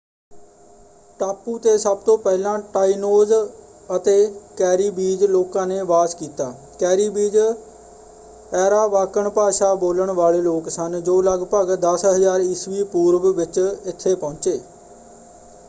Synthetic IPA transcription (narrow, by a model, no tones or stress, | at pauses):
ʈaːpuːt̪eːsəb̚t̪õːpɛːlãːʈaːiːnoːz | ət̪eːkɛːɾiːbiːd͡ʒloːkãːneːʋaːskiːt̪aː | kɛːɾiːbiːd͡ʒ | ɛːɾaːʋaːkəɳpaːʃaːboːləɳʋaːleːloːksənd͡ʒoːləɡpəɡd̪əsɦəzaːɾɪsʋiːpuːɾʋʋɪt͡ʃɪt̪ʰːeːpɔ̃ʊt͡ʃeː